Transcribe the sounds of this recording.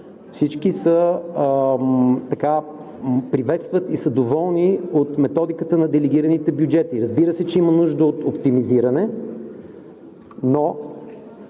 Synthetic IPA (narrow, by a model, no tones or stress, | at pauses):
fsit͡ʃkisə | t̪ɐka | pɾivɛt̪st̪vət̪isəd̪ovɔlˠniot̪mɛt̪ɔd̪ikət̪ənɐd̪ɛlɛɡʲiɾənit̪ɛbjʊd͡ʒɛt̪iɾəzbiɾəsɛt͡ʃɛimənuʒd̪əot̪opt̪imiziɾɐnɛ | no